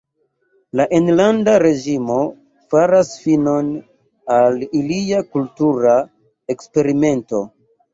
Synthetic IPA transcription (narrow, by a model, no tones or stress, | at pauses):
laʔenlandaɾe̞ʒimo̞ | faɾasfino̞n | aliliakultuɾa | ekspe̞ɾime̞nto̞̰